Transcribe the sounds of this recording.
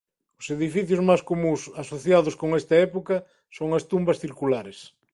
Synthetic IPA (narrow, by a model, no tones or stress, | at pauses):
ʊseðifiθjʊzmaskomũsasoθjaðʊskoŋɛst̪ɐɛpokɐ | soŋɐst̪umbɐsθiɾkulaɾes